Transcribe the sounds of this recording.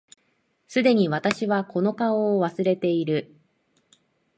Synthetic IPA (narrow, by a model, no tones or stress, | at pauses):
sɨd̪e̞ɲ̟iβat̪aɕiβako̞no̞kaoːβasɨɾe̞t̪e̞iɾɯ̟